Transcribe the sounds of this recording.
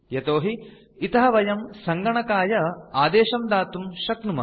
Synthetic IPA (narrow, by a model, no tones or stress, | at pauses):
jɐt̪oːɦi | it̪ɐɦɐʋɐjɐmsɐŋɡɐɳɐkaːjɐaːd̪eːʃɐmd̪aːt̪umʃɐknumɐ̰